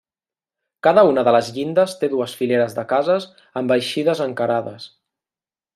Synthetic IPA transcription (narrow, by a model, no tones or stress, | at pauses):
kaðəunəðələzʎind̪əst̪eðuəsfileɾəzðəkazəs | əmbəjʃiðəzəŋkəɾaðəs